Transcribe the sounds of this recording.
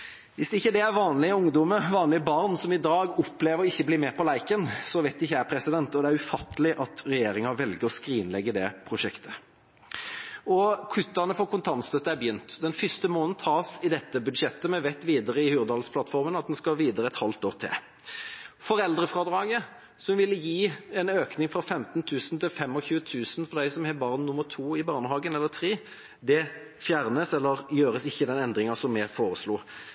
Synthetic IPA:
ʋɪsd̪ɛɪçːəd̪ɛæɾʋɑːnlɪəʊŋd̪ɔməɾʋɑːnlɪəbɑʁnsɔmɪd̪ɑːɡɔpːleːʋəɾɔɪçːəbliːmɛpʰɔlæɪkənsɔʋæɪt̪d̪ɛɪçːæpʰɾɛsɪd̪ɛnt̪ɔd̪ɛæɾʉfɑt̪ʰːəlɪʔɑt̪ɾɛjeːɾɪŋɑʋɛlɡəɾɔskɾiːnlɛɡːəd̪ɛpʰɾʊʂɛkt̪ʰə̥ | ɔkʰʉt̪ːɑnəfɔkʰʊnt̪ʰɑnst̪œt̪ːəæɾbjʏnt̪d̪ɛnfʏst̪əmoːnn̩t̪ʰɑːsɪd̪ɛt̪ːəbʉd̪ʃɛt̪ːəmɛʋɛt̪ːʋiːd̪əʁəɪhʉːɾd̪ɑːlspʰlɑt̪fɔɾmənɑt̪̚d̪ɛnskɑʋiːd̪əɾəɛt̪hɑlt̪oːʁt̪ʰɪ̰l | fɔɾɛld̪ʁəfʁɑːd̪ɾɑːɡə | sɔmʋɪlːəjiːɛnøːknɪŋfʁɑfɛmt̪nt̪ʰʉːsn̩t̪ʰɪlfɛmːɔçʉːət̪ʰʉːsn̩fɔd̪æɪsɔmhɛbɑʁnnʊmːət̪ʰuːɪbɑːʁnəɦɑːɡənɛlːət̪ʰɾeː | d̪ɛ | fjæːʁnəsɛlːəʁjøːɾəsɪçːəd̪ɛnɛnd̪ʁɪŋɑsɔmːɛfoːʁəsluː

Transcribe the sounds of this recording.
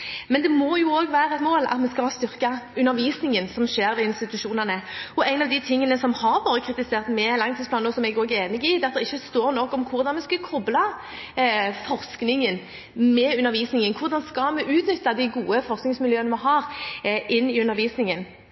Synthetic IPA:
mɛnd̪ɛmɔjʊoːɡʋæːɾɛt̪moːlɑ̰t̪mɛskɑɑst̪ʏʁkɑʉnːəɾʋiːsnɪŋənsɔmʃeːɾʋɛɪnst̪ɪt̪ʉʃuːnənəɔæɪnɑʋd̪ɪt̪ʰɪŋːənəsɔmhɑɾʋɑːɾəkʰɾɪt̪ɪseːʁt̪mɛlɑŋt̪ʰiːsplɑːnɔsɔmɛɡoːɡəeːnɪɡɪd̪ɛːɑt̪̚d̪ɛɪçːəst̪oːɾnɔkːɔmkʰʊʁd̪ɑnmɛskɑkʰɔblɑ | fɔʁsknɪŋən | mɛʉnːəɾʋiːsnɪŋənkʰʊʁd̪ɑnskɑmɛʔʉːt̪nʏt̪ːɑd̪ɪɡuːəfɔʁsknɪŋsmɪljøːənəmɛɦɑːʁʔɪnːɪʉnəɾʋiːsnɪŋən

